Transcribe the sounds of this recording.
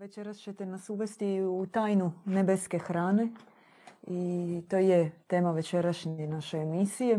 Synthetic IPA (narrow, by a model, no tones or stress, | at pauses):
ʋet͡ʃe̞ɾast͡ʃet̪enasuʋe̞st̪iut̪aːjnunebe̞ske̞xɾaːne̞ | it̪oːjet̪e̞ːmaʋe̞t͡ʃe̞ɾaʃɲenaʃeːmisije̞